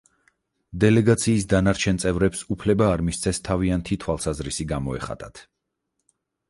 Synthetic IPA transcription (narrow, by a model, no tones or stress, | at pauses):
d̪ɛlɛɡat̪sʰiːs̬d̪anaɾt͡ʃʰɛnt̪sʼɛvɾɛpsupʰlɛbaːɾmist̪sʰɛst̪ʰaviant̪ʰit̪ʰwalˠsazɾisiɡamɔɛ̰χa̰t̪ʼa̰t̪ʰ